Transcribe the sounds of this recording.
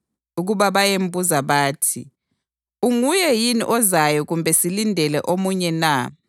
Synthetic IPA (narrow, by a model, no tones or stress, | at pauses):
uɣuβaβajem̩bʱuzaβaːtʰḭ | uŋujɛjinḭʔɔzajɔɣumbʱɛsilindʱɛlɛʔomuɲɛna